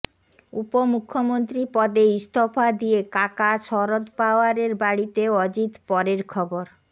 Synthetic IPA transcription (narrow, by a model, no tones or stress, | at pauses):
upomukʰːomont̪ɾipɔd̪eist̪ʰofʰad̪iekakaʃɔɾod̪paoaɾeɾbaɽit̪eɔd͡ʑit̪pɔɾeɾkʰɔboɾ